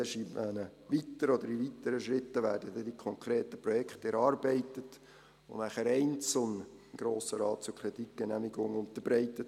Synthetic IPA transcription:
ɛʃivænəʋit̪ːəɾɔd̪əɾiʋit̪əɾəʃɾɪt̪ːəʋæːɾdəd̥̪ɛdikʰɔŋkʰɾeːtəpɾɔjɛkχt̪ɛɾɑːrbɛɪt̪ət̪ | ʊ̰næχəɾɛɪnt͡sl̩ˠnəɪmɡ̥ɾoːsəɾɑːt̚t͡sʊɾkʰɾɛdik̚ɡ̥ɛnæmiɡʊŋʊnt̪əɾbɾɛɪt̪ət

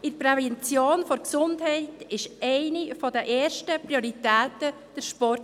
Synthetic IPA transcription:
ɪpɾɛvɛnt͡sjoːnfɔɾksʊndhɛɪtɪʃʔɛɪnifɔdəʔeːɾʃtəpɾioɾitæːtə | d̥ɛɾʃpɔrt

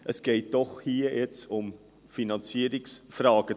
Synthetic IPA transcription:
ʔəsɡ̥eɪt̚d̥ɔχhiːəjɛt͡sʊm | finɑnt͡siːəɾɪksfrɑːɡ̥ə

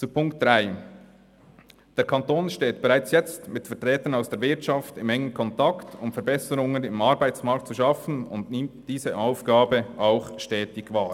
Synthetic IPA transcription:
t͡supʰʊŋkt̚d̥ʁaɪ | d̥eːɐɾkʰɑntoːnʃteːtb̥ɛʁaɪt͡sjɛt͡stmɪtfɛɐtʁɛːtənaʊsd̥eːɾvɪɾtʃɑftɪmɛŋənkʰɔntɑktʊmfɛɐbɛsəɾʊŋənɪmʔɑɾbaɪt͡smaɾk̚tt͡suʃɑfn̩ʊndnɪmtd̥iːzəʔaʊfɡ̥aːbəʔaʊxʃtɛːtɪɡvaː

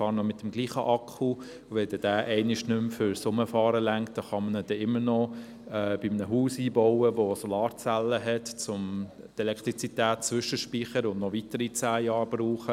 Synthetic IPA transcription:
fɑːɾnɔmɪtəmɡliːχəʔɑkʰu | vɛld̥ɛd̥æːʔɛɪnɪʃnʏmfʏɾsʊməfɑːɾəlæŋkt̚d̥ɑχɑmənəd̥ɛɪmːəɾnɔ | ɛːb̥ɪmənəɦuːsiːbɔwəʋosɔlɑːɾt͡sælːəɦɛtt͡sʊm | dɛlɛkʰt̪ɾit͡sitæːt̚t͡sʋʏʃəʃpiːχəɾʊndnɔvitəɾit͡sæːjɑːɾb̥ruːχə

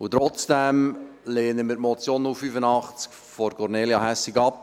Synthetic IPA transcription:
ut̪ɾɔt͡sd̥ɛmleːnəmɪːtmɔt͡sjoːnufyfənɑχt͡sk | fɔɾkɔɾneːljɑɦæsiɡɑp̚

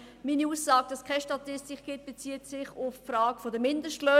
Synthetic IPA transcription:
miːniuːsːaːɡ̥əd̥ɑskʰaɪʃtɑt̪ɪstɪkɡ̥ɪt̚b̥et͡siːətsɪχʊffraːɡ̥əfodəmɪndəʃtløː

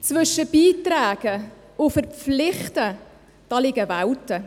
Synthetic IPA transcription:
t͡svʏʃːəb̥iːtɾæːɡ̥ə | ʊfəɾflɪχtə | d̥ɑlɪɡ̥əvawtə

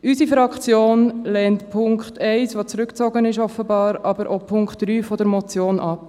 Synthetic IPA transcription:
ʔysifɾɑkt͡sjoːnlɛːntpʰʊŋkχtʰɛɪsʋot͡sɾʏkt͡soɡənɪʃɔfəbɑːɾɑbəɾʔopʰʊŋkχtd̥ɾyːfɔdəɾmɔt͡sjoːnʔɑp

